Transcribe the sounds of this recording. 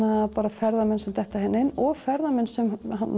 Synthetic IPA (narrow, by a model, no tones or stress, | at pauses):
apaːɾafɛɾðamɛnsɛmt̪ʰɛht̪aɦɛnːɪnɔɣfɛɾðamɛnsɛmhan